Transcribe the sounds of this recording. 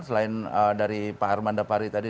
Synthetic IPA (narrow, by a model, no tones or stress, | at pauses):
səlaɪnədaɾipaarmandapaɾit̪adi